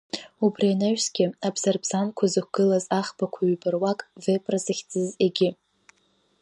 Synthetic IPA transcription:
ubrianaɥsɡʲɪabz̥arbzankʷʰazɨkʷɡ̥ɨlazaχbakʷʰaɥbɨrwakʼvepʼrazɨχʲd͡zʼɨzeɡʲɪ

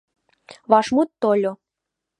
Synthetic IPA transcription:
βɑʃmut̪ːolʲo

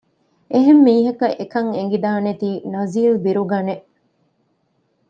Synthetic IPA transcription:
eɦemːiːɦɐkɐʔekɐŋeŋ̆ɡid̪aːnet̪iːnɐziːlbiɾuɡɐneʔ

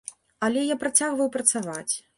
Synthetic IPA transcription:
ɐlʲɛjapɾat͡sʲaɣvɐwpɾɐt̪savat͡sʲ

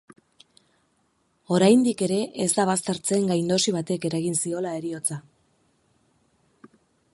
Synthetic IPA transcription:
o̞ɾajnd̪ike̞ɾe̞ʔezd̪aβ̞ast̪e̞ɾt͡se̞ŋɡajnd̪o̞siβ̞at̪e̞ke̞ɾaɣinsio̞lae̞ɾio̞t͡sa

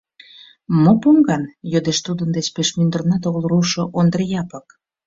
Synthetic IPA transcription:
mopumɡɑnjød̪eʃt̪ud̪ənd̪et͡ɕpeʃmynd̪ərnɑt̪oɣəlˠɾuʃŏʔond̪ərjɑpək

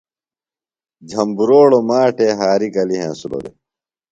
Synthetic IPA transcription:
d͡ʑʱɐmbuɾoːɽomaːʈeːɦaːɾikɐliɦḛ̃ːsulo̰d̪ḛ

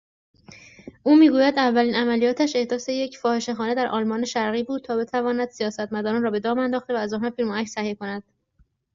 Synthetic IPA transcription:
ʔuːmiːɡuːjæd̪ævːæliːnæmælijɒːt̪ʰæʃe̞hd̪ɒːse̞je̞cʰfɒːhe̞ʃe̞xɒːne̞d̪æɾʔɒ̰ːlmɒːne̞ʃæɾɣiːbuːd̪̚t̪ʰɒːbe̞t̪ʰævɒːnæd̪̥sijɒːsæt̪mæd̪ɒːɾɒːnɾɒːbe̞d̪ɒːmænd̪ɒːxt̪e̞væːzɒːnhɑːfiːlmoæcsæhieko̞næd̪̥̚

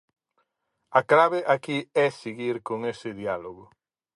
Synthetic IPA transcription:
aklaβeʔakiɛsiɣiɾkoŋesɪðialoɣʊ

